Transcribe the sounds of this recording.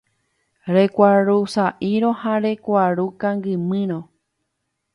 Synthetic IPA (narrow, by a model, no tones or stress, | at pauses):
ɾekʷaɾusaʔiɾõhãɾe̞kʷaɾukãŋɡɨmɨ̃ɾ̃õ